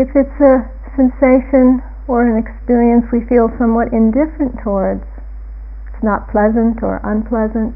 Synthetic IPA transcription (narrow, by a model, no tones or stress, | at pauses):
ɨfɨtsɨ | sɛ̃nseɪʃɨ̃n | ə˞ɨ̃nɨkspɪɹiɨ̃nswifilˠsʌ̃mwʌɾɪ̃ndɪfɹɨ̃ntʰɔɹdz̥ | ɪtsnət̚pʰl̥ɛzɨ̃ntʰə̰˞ʔə̰̃npʰl̥ɛzɨ̃nt̚